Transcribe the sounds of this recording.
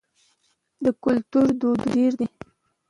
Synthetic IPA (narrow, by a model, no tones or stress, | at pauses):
d̪əkʊlt̪uɾd̪od̪ɡeɾd̪i